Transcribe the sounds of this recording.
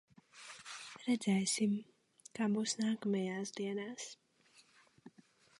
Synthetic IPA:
ɾɛd̪zɛjsim | kabusnaːkamɛjaːsd̪iɛnaːs

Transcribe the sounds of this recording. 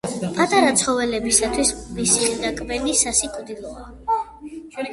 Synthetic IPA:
pʰʼat̪ʼaɾat̪sʰχɔvɛlɛbisat̪ʰwismisilid̪akʼbɛlisasikʼwd̪ilˠɔa

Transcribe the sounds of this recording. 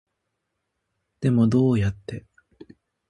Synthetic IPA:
d̪̥e̞mo̞d̪o̞ːjat̪ːe̞

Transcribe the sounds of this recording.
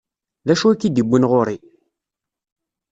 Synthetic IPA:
ðæʃuikːid̪ibːinʁʊɾi

